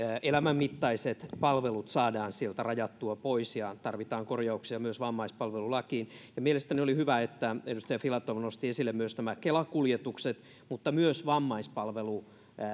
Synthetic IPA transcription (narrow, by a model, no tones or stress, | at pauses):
ʔelæmæmːit̪ːɑiset̪pɑlʋelut̪sɑːdɑːnsielt̪ærɑjɑt̪ːuɑpoisjɑt̪ɑrʋit̪ɑːŋkorjɑuksiɑmyøsʋɑmːɑispɑlʋelulɑkiːnjɑmielest̪æniolihyʋæet̪ːæedust̪ɑjɑfilɑt̪ːoʋnost̪iesilːemmyøsnæmækelɑkuljet̪ukset̪ | mut̪ːɑmyøsʋɑmːɑispɑlʋelu